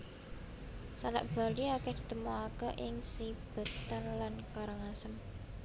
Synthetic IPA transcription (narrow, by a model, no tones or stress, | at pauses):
sala̰ʔb̥a̤liakɛhd̪̥i̤t̪əmoakəʔɪŋsib̥ə̤t̪anlankaɾəŋasəm